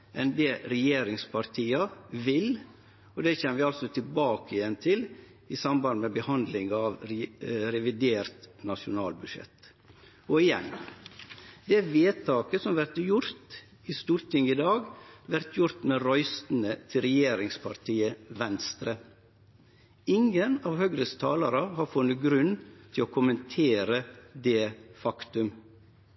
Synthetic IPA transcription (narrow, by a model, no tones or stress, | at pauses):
ʔɛnd̪ɛɾɛjeːɾɪŋspʰɑɾt̪ʰiːɑʋɪl | ɔd̪ɛçɛmːəʋɪɑlsɔt̪ʰɪlbɑːkəɪjɛnt̪ʰɪl | ɪsɑmbɑnd̪əmɛbəhɑnd̪lɪŋɑʋ | ɾɛʋɪd̪eːɾt̪nɑʂʊnɑːlbʉʂjɛ̰t̪ | ɔɪjɛ̰n | d̪ɛʋeːt̪ʰɑːkəsɔmʋæɾt̪jʊɾt̪ | ɪst̪uːɾt̪ʰɪŋɪd̪ɑːɡʋæɾt̪ʰjʊɾt̪meɾœʏst̪n̩ət̪ʰɪlɾɛjeːɾɪŋspʰɑ̰ɾt̪ʰiːəʋɛnst̪ɾə | ɪŋənɑːʋhœɡɾəst̪ʰɑːlɑɾɑhɑɾfʊnːəɡɾʉnːt̪ʰɪloːkʰʊmənt̪ʰeːɾəd̪eːfɑkt̪ʉm